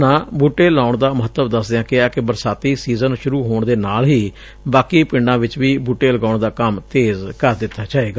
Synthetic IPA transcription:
nãːbuːʈːeːlaːʊɳd̪aːməɦət̪ːəʋd̪əsd̪ejãːkɪaːkɪbəɾsaːt̪iːsiːzənʃʊɾuːɦoːɳd̪eːnaːlɦiː | baːkiːpɪɳɖãːʋɪt͡ʃʋiːbuːʈeːləɡaːʊɳd̪aːkəmt̪eːzkəɾd̪ɪt̪ʰːaːt͡ʃaːeːɡaː

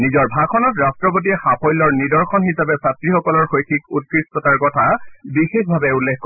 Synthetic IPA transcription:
nizɔɹbʱakʰɔnɔtɹastɹɔpotiɛxapʰɔjlɔɹnidɔɹxɔnɦisabɛsatɹixɔkɔlɔɹxojkʰikut̚kɹispɔtaɹkɔtʰabixexbʱabɛulːekkɔ

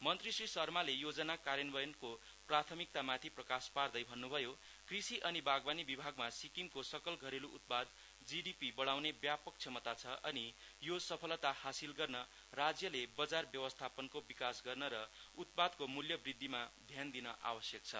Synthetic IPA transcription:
mʌnt̪risrisʌrmalejod͡zʌnakaɾjʌnbʌjʌnko | prat̪ʰʌmik̚t̪amat̪ʰiprʌkaspard̪ʌjbʱʌnːubʱʌjo | krisiʔʌnibaɡbanibibʱaɡmasikiŋkosʌkʌlɡʱʌɾeluʔut̪̚pad̪ | d͡ziɖipibʌɽawnebjapʌk̚t͡sʰʌmʌt̪at͡sʰʌʔʌni | josʌpʰʌlt̪ahasilɡʌrnʌ | rad͡zjʌlebʌd͡zarbjʌwʌst̪ʰapʌnkobikasɡʌrnʌɾʌut̪̚pad̪komuljʌbrid̪ʱːimad̪ʱjand̪inʌʔa̰bʌsjʌk̚t͡sʰʌ̰

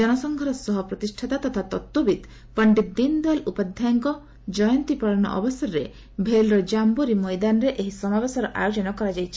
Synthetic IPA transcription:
d͡ʒɔnɔsɔŋɡʱɔɾɔsɔɦɔpɾɔt̪isʈʰat̪at̪ɔt̪ʰat̪ɔt̪ːubid̪ | pɐɳɖit̪̚d̪ind̪ɔjlupad̪ʱjaŋkɔ | d͡ʒɔjɔnt̪ipaɭɔnɔ̰ʔɔ̰bɔsɔɾɾe | bʱelɾɔd͡ʒambuɾimɔjd̪anɔɾeʔeɦisɔmabesɔɾɔʔa̰jod͡ʒɔnɔkɔɾad͡ʒajt͡ʃʰi̥

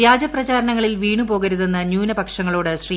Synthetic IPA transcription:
jaːd͡ʑɐprɐt͡ɕaːɾɐɳɐŋːɐɭilʋiːɳupo̞ːɣɐɾuðe̞nːɐɲjuːnɐbɐkʂɐŋːɐɭoːɽɨɕriː

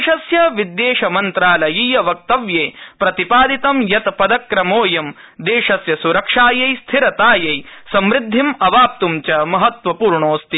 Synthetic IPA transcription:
ʃɐsjɐʋid̪ːeːʂɐmɐnt̪ɾaːlɐjijɐʋɐk̚t̪ɐʋjeːpɾɐt̪ipaːd̪it̪ɐmjɐt̪pɐd̪ɐkɾɐmoːjɐm | d̪eːʂɐsjɐsuɾɐkʂaːjɐjst̪ʰiɾɐt̪aːjɐjsɐmɾɪd̪ʱːimɐʋaːp̚t̪umt͡ʃɐmɐɦɐt̪ʋɐpuːɾɳoːst̪i

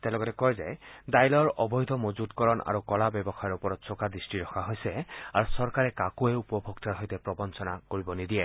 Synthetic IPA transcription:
tɛ̃lɔɡɔtɛkɔjzɛdajlɔɹɔbɔjd̪ʱɔmozudkɔɹɔnʔa̰ɹukɔlabɛbɔxajɔɹupɔɹɔtsɔkadɹistiɹɔxʰaɦojsɛaɹusɔɹkaɹɛkakuɛupɔbʱɔɡtaɹɦɔjtɛpɹɔbɔnsɔnakoɹibɔnidiɛ

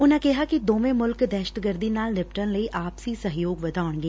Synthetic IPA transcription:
ʊnãːkɪɦaːkid̪oːʋẽːmʊlkd̪ɛːʃətɡəɾd̪iːnaːlnɪpʈənləiːʔaːpsiːsəɦjoːɡʋəd̪ʱaːʊɳɡeː

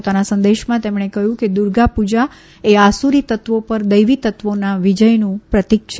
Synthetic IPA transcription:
ot̪anasə̃nd̪eʃmãt̪emɳekəɦjũked̪uɾɡapud͡ʒa | easuɾit̪ət̪ʋopəɾd̪əjʋit̪ət̪ʋonaʋid͡ʒəjnũpɾət̪ikʃ

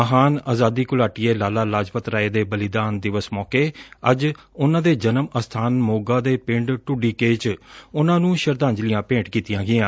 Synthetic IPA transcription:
məɦaːnaːzaːd̪iːkʊlaːʈɪjeːlaːlaːlaːd͡ʒpət̪ɾaːeːd̪eːbəlɪd̪aːnd̪ɪʋəsmɔːkeːəd͡ʒʊnãːd̪eːd͡ʒənəməst̪ʰaːnmoːɡãːd̪eːpɪɳɖʈʊɖiːkeːt͡ʃʊnãːnũːʃəɾd̪ãːɲd͡ʒlɪjãːpẽːʈkiːt̪ɪjãːɡɪjãː

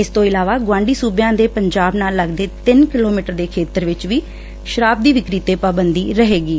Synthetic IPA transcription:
ɪst̪õːɪlaːʋaːɡwãːɳɖiːsuːbjãːd̪eːpəɲd͡ʒaːbnaːlːəɡd̪eːt̪ɪnkɪloːmiːʈəɾd̪eːkʰeːt̪əɾʋɪt͡ʃʋiː | ʃəɾaːb̚d̪iːʋɪkɾiːt̪eːpaːbənd̪iːɾəɦeːɡiː

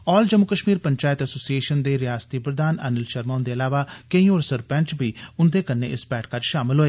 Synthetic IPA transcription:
ɔːld͡ʒəmːʊkəʃmiːɾpəɲt͡ʃaːɪt̪əsoːsieːʃənd̪eːɾɪjaːst̪iːpɾəd̪aːnɛ̰ːnəlʃəɾmaːnd̪eːəlaːʋaːkəĩːoːɾsəɾpɛ̃nt͡ʃbiːʊnd̪eːkənːḛːʔɪsbɛːʈʰkəɾd͡ʒʃaːmɪlɦoːeː

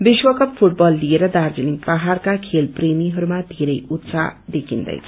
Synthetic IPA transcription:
biswʌkʌp̚pʰuʈbʌlːieɾʌd̪ard͡ziliŋpʌɦarkakʰelpremiɦʌɾumad̪ʱeɾʌjut̪sa̰d̪ekʰind̪ʌ̰jt͡sʰʌ

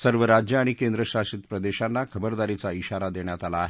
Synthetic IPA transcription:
səɾʋəɾad͡ʑjəaɽ̃ikend̪ɾəɕaʂit̪pɾəd̪eɕanːakʰəbəɾd̪aɾit͡saiɕaɾad̪eɳjat̪alaːɦe

